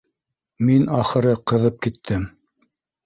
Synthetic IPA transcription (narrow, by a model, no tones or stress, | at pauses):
minɑχɤ̆ɾɤqɤ̆ðɤp̚kit̪ʰːɘm